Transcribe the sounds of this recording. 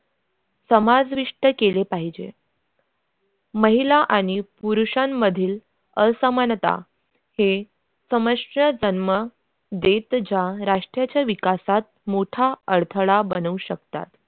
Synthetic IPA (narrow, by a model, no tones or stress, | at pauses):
səmad͡zʋiʂʈəkelepaɦid͡ʑḛ | məɦilaʔaɽ̃ipuɾuɕamːəd̪ʱiːl | əsəmant̪a̰ | he | səməʂʈəd͡zənmə | d̪et̪d͡ʑaɾaʂʈɾjat͡ɕjaʋikasat̪̚moʈʰaəɾt̪ʰəɭabənuɕəkt̪a̰t̪